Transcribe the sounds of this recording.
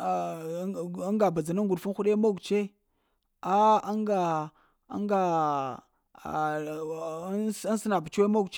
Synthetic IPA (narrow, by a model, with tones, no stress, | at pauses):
a˦ŋɡa˨ba˨d͡za˨na˦ŋɡu˨ɗfu˦n˦xu˦ɗe˦mo˦˨ɡt͡ʃe˦ | a˦a˦ŋɡa˨ | a̰˦ŋɡa˨˦ | a˦n˦sə˦na˨ba˨t͡ʃwe˦mo˦ɡt͡ʃ